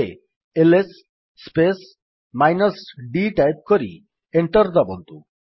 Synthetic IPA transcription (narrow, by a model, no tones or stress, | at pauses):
ḛ | elesː | pes | majnɔsɖiʈajp̚koɾḭ | eɳʈɔɾd̪ɔbɔnt̪u